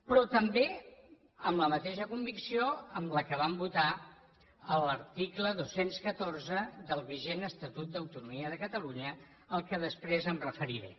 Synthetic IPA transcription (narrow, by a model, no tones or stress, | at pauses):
pɾɔt̪əmbe | əmləmət̪eʃəkumbiksioəmləkəβ̞ambut̪a | ələɾt̪ikləðosenskət̪orzəðəlˠβiʒenəst̪ət̪ut̪̚d̪əwt̪unumiəðəkət̪əluɲə | əlˠkəðəspɾezəmrəfəɾiɾḛ